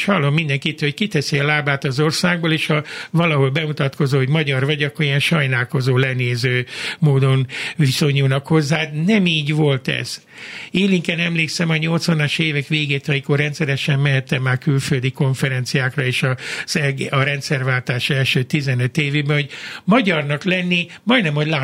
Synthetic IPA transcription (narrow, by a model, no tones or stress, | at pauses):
ʃhɒlːo̞mːind̪ɛŋkit̪ːho̞ckit̪ɛsiɒlaːbaːt̪ɒzorsaːɡ̚boːleːʃhɒvɒlɒɦo̞lbɛmut̪ɒt̪ko̞zoːɦoɟmɒɟɒrvɒɟɒkːorijɛnʃɒjnaːlko̞zoːlɛneːzøːmoːd̪o̞nviso̞ɲuːnɒkho̞zːaːnɛmiːɟvo̞lt̪ɛ̰z̥ | eːliŋkɛnɛmleːksɛmɒɲo̞lt̪sʋɒnɒʃeːvɛkʋeːɡeːt̪ɒɦikorːɛnt̪sɛɾɛʃɛmːɛɦɛt̪ːɛmːaːrkylføld̪iko̞ɱfɛɾɛnt̪sijaːkrɒeːʃɒz̥ɛɡɒɾɛnt̪sɛrvaːlt̪aːʃɛlʃøːt̪izɛnøt̪eːvebɛɦo̞ɟmɒɟɒrnɒklɛnːimɒjnɛmhoɟlaː